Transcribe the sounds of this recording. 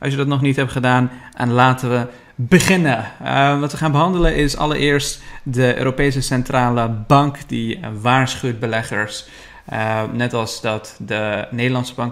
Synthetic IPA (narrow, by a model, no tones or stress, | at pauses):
ʔɑ̰lˠsjədɑtnɔχnitɦɛptχədaːnʔɛ̰nlaːtənʋə | bəχɪnəʋɑtʋəχaːnbəɦɑndələnɪsɑ̰lə̰ɹʔɪːɹstdəʔø̰ːɾopejs̬əsɛntraːləbɑŋkdiʋaːɹsχywt̚bəlɛχəɹs | nɛtɑlˠsdɑtdənedəlɑnsəbɑŋk